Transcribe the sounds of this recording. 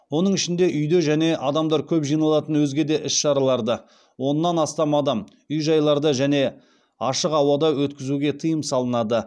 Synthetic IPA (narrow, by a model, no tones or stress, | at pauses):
wo̞nəɴɪʃɪnd̪e̞ʔʏjd̪e̞ʒæne̞ʔɑd̪ɑmd̪ɑɾkʲʰɵpʒijnɑlˠɑt̪ənwɵzɡʲe̞d̪e̞ʔɪsʃɑɾɑlˠɑɾd̪ə | wo̞nːɑnɑst̪ɑmɑd̪ɑm | ʏjʒɑjlˠɑɾd̪əʒæne̞ | ɑʃəqɑwɑd̪ɑwɵt̪kʲɪzuɡʲe̞t̪ʰəjəmsɑlˠənɑd̪ə